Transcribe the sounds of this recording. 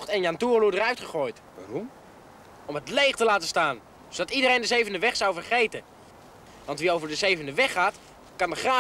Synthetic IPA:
χtɛnjantuːrludərœɥtχəχoːjtʋarɔm | ɔmətlejχtəlaːtəstaːn | odɑtidərejndəzejvəndəʋɛχsawvərχejtə | ʋɑntʋiowvəɹdəzejvəndəʋɛχaːt | kɑndəχra

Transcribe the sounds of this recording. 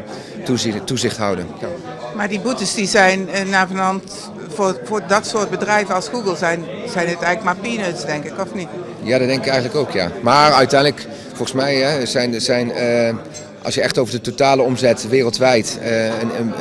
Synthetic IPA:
utuzɪχtɦɑwdən | maːɹdibutəsdizɛjnənaːvənɑnt | vʊːɹfʊːɹdɑtsʊːt̚bədrɛjvənɑlˠsɡuɡəlˠzɛnz̥ɛjnətɛɣlək̚maːɹpinøtsdɛŋkɪkɔfnit | jaːdɑdɛŋkɪkɛjχənləkowkja̰ːmaːɹœɥtɛjndlək | fɔlχəsmɛjɛzɛjnəzɛjn | ʔɑ̰lˠsjəɛχtowvəɹdətotaːləɔmzɛtʋɪːrəlˠtʋɛjtə

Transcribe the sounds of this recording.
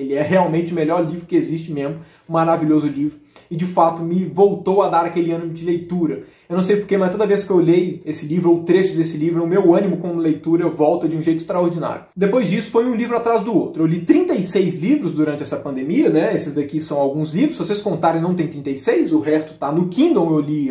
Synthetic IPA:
elɪɛɦeawmẽnt͡ʃɪʊmeʎɔɾlivɾʊkɪezist͡ʃɪmẽzmʊ | maɾaviʎʲozʊlivɾʊɪd͡ʒɪfat̪ʊmɪvowt̪owɐd̪aɾakelɪɐ̃nimʊd͡ʒɪlejt̪uɾɐ | ewnɐ̃sejpoɾkemɐst̪od̪ɐveskɪewlejesɪlivɾʊoʊt̪ɾeʃɪd̪esɪlivɾɛʊmewɐ̃nimʊkõmʊlejt̪uɾɐvɔwt̪ɐd͡ʒɪũʒejt̪ʊɪ̥ist̪ɾaoɾd͡ʒina̰ɾjʊd̪epojzd͡ʒisʊ̥fojũlivɾʊat̪ɾazd̪ʊowt̪ɾʊewlit̪ɾĩnt̪ɐjsejzlivɾʊzd̪uɾɐ̃nt͡ʃɪɛsɐpɐ̃nd̪emiɐnɛesɪzd̪akisɐ̃w̃awɡũzlivɾʊsvoseskõnt̪aɾẽj̃nɐ̃w̃t̪ẽt̪ɾĩt̪ejsejszʊɦɛst̪ʊ̥t̪anʊkĩd̪õewli

